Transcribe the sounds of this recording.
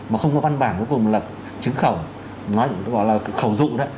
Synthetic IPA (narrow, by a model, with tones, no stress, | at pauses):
maː˨˩xə˧wŋ͡mkɔ˨˦va˧nɓaː˧˩nko˨˦jku˨˩m̚˨˩lə˨˩p̚ | t͡ɕɨ˨˦ŋxə˧˩w | nɔ˨˦jɣɔ̰˧˨jlaː˨˩˨xə˧˩wzṵ˧˨ɗə˨˦